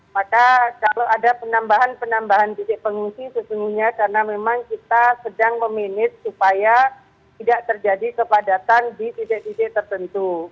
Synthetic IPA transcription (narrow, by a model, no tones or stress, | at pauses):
makakalowadapənambaɦanpənambaɦant̪itɪʔpəŋuŋsisəsuŋɡuhɲakaɾənamemaŋkit̪asədaŋməmenɪt̪̚supaja | t̪idaʔt̪ərd͡ʒadikəpadat̪andit̪it̪ɪʔt̪itɪʔt̪ərt̪ənt̪u